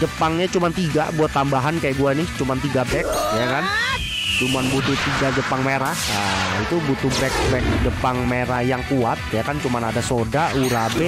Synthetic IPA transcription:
d͡ʒəpaŋɲat͡ʃumant̪iɡa̰buat̪ːambaɦankajaʔɡuanɪht͡ʃumant̪iɡabɛk̚jakan | t͡ʃumanbut̪ut̪iɡad͡ʒəpaŋmeɾahəit̪ubut̪ubɛk̚bɛk̚d͡ʒəpaŋmeɾajaŋkuat̪̚jakant͡ʃumanadasodauɾabɛ

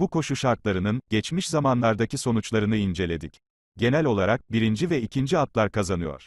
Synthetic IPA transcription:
buko̞ʃuʃaɾt̪lˠaɾɯnɯnɟɛt͡ʃmiʃzamanlˠaɾd̪aciso̞nut͡ʃlˠaɾɯnɯind͡ʒe̞lʲe̞d̪ic | ɟe̞nælʲo̞lˠaɾak̚biɾind͡ʒivɛicʰind͡ʒiat̪lˠaɾkʰazanɯjɔ̰ɾ̥

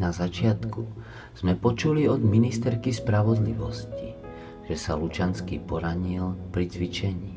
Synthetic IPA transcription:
nazat͡ʃɪat̪ku | z̥mɛpɔt͡ʃuliɔd̪minist̪ɛɾkispɾaʋɔd̪liʋɔ̰sci | ʒ̥ɛsalut͡ʃanskiːpɔɾaɲilpɾit͡sʋit͡ʃɛɲiː

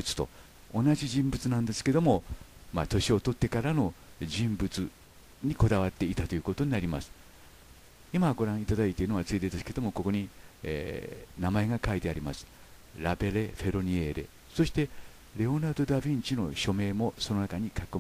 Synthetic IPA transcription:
ɯt͡sɨ̥t̪o̞̰ | onaʑiʑĩmbɯ̟t͡sɨnãnd̪e̞sɨ̥ke̞d̪o̞mo̞mat̪o̞ɕio̞t̪o̞t̪ːe̞kaɾano̞ʑĩmbɯ̟t͡sɨ | ɲ̟iko̞d̪aβat̪ːe̞it̪at̪o̞jɯ̟ko̞t̪o̞ɲinaɾʲimasɨ̥ | imaɡo̞ɾãɰ̃it̪ad̪ait̪eiɯno̞at͡sɨid̪ed̪esɨ̥ke̞d̪o̞mo̞ko̞ko̞ɲ̟iḛːnamae̞ɡakait̪e̞aɾʲimasɨ̥ | ɾabe̞ɾe̞ɸe̞ɾo̞ɲ̟ieɾe̞̰ | so̞ɕi̥t̪e̞ | ɾe̞o̞nad̪o̞d̪abʲĩɲt͡ɕino̞ɕo̞me̞ːmo̞so̞no̞nakaɲ̟ikakɯm

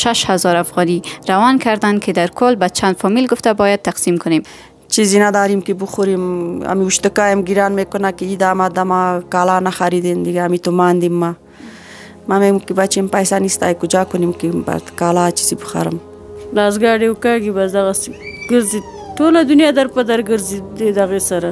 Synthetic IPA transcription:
ʃaʃhazɔɾafɣɑniɾawankaɾd̪ankʰed̪aɾkʊlbat͡ʃʰand̪fɔmilɡʊft̪abɔjad̪̚t̪ːaqsimkʊnem | t͡ʃizinad̪ɑːɾimkebʊxuɾima̰miuʃt̪ʊkaːjamɡiɾaːnmekʊnakeid̪amad̪amakalanaxaɾid̪end̪ɪɡaːmit̪omaːnd̪imːa | mamekebat͡ʃempajsanist̪a̰kʊd͡ʒaːkʊnimkeba̰t̪kaːlaːt͡ʃizibʊxa̰ɾə̰m | lɑzɡɑɽewkɑɡibasd̪aɣaseɡəɾzi | ʈolad̪ʊnjɑːd̪aɾpad̪aɾɡəɾzid̪ed̪aɣesaɾa

